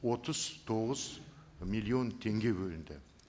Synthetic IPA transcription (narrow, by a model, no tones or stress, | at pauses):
wo̞t̪əzt̪ʰo̞ʁəzmijlˠio̞nt̪ʰe̞ŋɡʲe̞bɵlɪnd̪ɪ̰